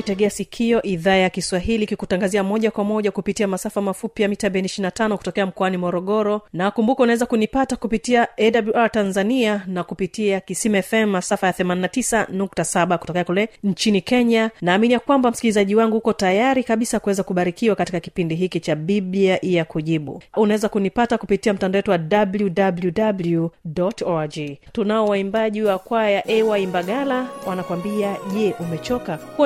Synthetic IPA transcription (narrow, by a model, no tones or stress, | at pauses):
itɛɠɛasikʰiɔʔiðaːjakiswaɦilikikutaŋɡaziamɔʄakwamɔʄakupitiamasafamafupijamitabɛniʃinatanɔku̥tɔkɛam̩kɔanimɔɾɔɠɔɾɔnaːkumbukɔunawɛzakunipatakupitiaɛɗabluʔaɾtanzanianakupitiakisimɛfɛmːasafajaθɛmaninatisanuk̚tasaɓaku̥tɔkɛakulɛɲ̩t͡ʃinikɛɲanaːminijakwambam̩skilizaʄiwaŋɡuhukɔtajaɾikaɓisakuwɛzakuɓaɾikiwakatikaki̥pindiɦikit͡ʃaɓibiaʔijakuʄiɓṵunawɛzakunipatakupitiam̩tandawɛtuwaɗabljudabljudabljudɔtɔd͡ʒitunaɔwaimbaʄiwakwajaʔɛwaimbaɠalawanakwambiaʄɛʔumɛt͡ʃɔkaku